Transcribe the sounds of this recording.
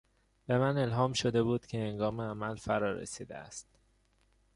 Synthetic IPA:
b̥e̞mæne̞lɦɒːmʃo̞d̪e̞buːd̪̥cʰe̞heŋɡɒːmeæmælfæɾɒːɾḛsiːd̪ḛæ̰st̪

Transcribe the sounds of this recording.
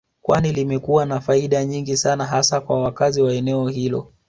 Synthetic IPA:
kwa̰nilimɛkuwanafaiɗaɲiŋɡisanaɦasakwa̰wakaziwaɛnɛɔhilɔ̰

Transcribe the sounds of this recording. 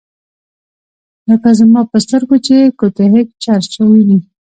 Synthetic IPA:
ləkazmɑpəst̪əɾkot͡ʃekot̪eɦɪk̚t͡ʃɑɾt͡ʃawini

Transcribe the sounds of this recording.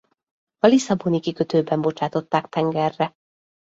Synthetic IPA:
ɒlisɒbonikikøt̪øːbɛmbo̞t͡ʃaːt̪o̞t̪ːaːkt̪ɛŋɡɛrːɛ

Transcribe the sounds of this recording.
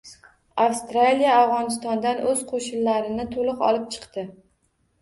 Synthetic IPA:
afst̪ɾalijaːvʁɒnɪst̪ɒnd̪anʔɵz̥qʰoʃɪnlaɾɪnɪt̪ʰolˠɨqɒ̰lˠɪp̚t͡ʃʰɨ̥qt̪ɪ

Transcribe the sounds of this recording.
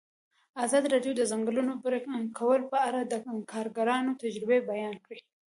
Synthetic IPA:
ɑzɑd̪iɾɑɖjod̪əzaŋɡlunobɾkʰawəlpəaɾad̪əkʰɑɾɡaɾɑnot̪ad͡ʒɾɪbebajɑnkɽi

